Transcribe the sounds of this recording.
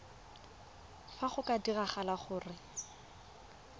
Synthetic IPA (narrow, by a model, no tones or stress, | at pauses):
faχʊkadiraχalaχʊːrɪ